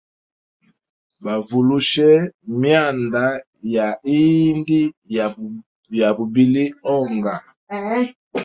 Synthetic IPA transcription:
ba˨vu˨lu˦ʃɛ˦mja˦˨nda˨ | ja˨i˦ndi˦˨ | ja˨bu˨bi˨li˦ɔ˦ŋɡa˨

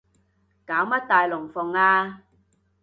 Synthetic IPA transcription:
kaː˨˥wmɐ˥t̚t̪aː˨jlʊ˨˩ŋfʊ˨ŋaː˧

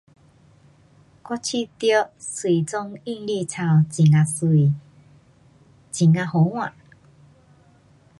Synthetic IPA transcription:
kɔ˦t͡ɕʰi˥˧t̪jɔ˦ʔswi˨˩t͡sɔ˧ŋi˥˧ŋli˥˧˨t͡sʰa˧wt͡ɕi˨˩ŋa˧si˨ | t͡ɕi˨ŋã˧ho˨˦w̃ã˨

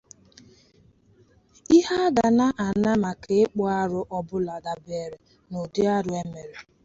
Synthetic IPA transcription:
i˦ɦa˦ɡa˨na˦ʔa˨na˦ma˨kʰe˨ɪ˦k͡pɔ˦a˦ɾʊ˦ʔɔ˦bʊ˦la˨da˨be˨ɾe˨ | no˨dɪ˦a˦ɾʊ˦e˦me˨ɾe˨

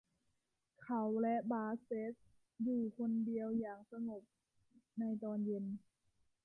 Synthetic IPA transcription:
kʰa˨˩wlɛ˦˥ʔbaː˧se˦˥t̪̚ | juː˧˩kʰo˧ndi˧əwjaː˨˩ŋsa˧ŋo˨˩p̚ | na˧jt̪ɔː˧nje˧n

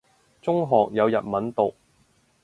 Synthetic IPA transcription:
t͡sʊ˥ŋɦɔː˨k̚jɐ˨˧wjɐ̰˨t̚mɐ˨˥nt̪o˨k̚

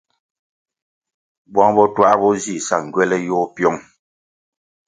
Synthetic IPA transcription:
bwɔ̃˦ŋbɔ˦twa˦ʔbɔ˦zi˨sa˨ŋ̩˨ɡɥɛ˦lɛ˦jɔː˦pjɔ˦ŋ

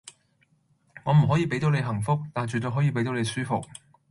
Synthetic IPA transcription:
ŋɔː˨˧m̩˨˩ɦɔ˨˥jiː˨˧pe˥jt̪o˨˥wle˨˧jɦɐ˨˩ŋfʊ˥k̚t̪aː˨nt͡ʃy˨t̪ɵ˧jɦɔː˨˥jiː˧p̬e˨˥jt̪o˨˥wle˨˧jsyː˥fʊ˨k̚

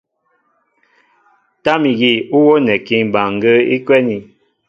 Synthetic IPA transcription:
ta˦mi˨ɣi˦˨u˦wo˦nɛ˨ki˦ŋba˨ŋ˨ɡə˦ḭ˦kwɛ˦ni˨

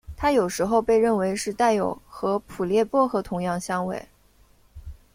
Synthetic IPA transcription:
t̪ʰa˥jo˨˩ʊʂɻ̩˧˥xo˥˧ʊpe˥˧ɪɻə˥˩nwe˧˥ɪʂɻ̩˥˧t̪a˥˩ɪjo˨˩ʊxɤ˧˥pʰu˨˩ljɛ˥˧pwɔ˥xɤ˧˥t̪ʰʊ˧˥ŋjɑ˥˩ŋɕjɑ˥ŋwḛ˥˩ɪ

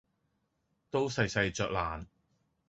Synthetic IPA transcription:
t̪o˥wsɐ˧jsɐ˧jt͡sœː˨k̚laː˨˩n

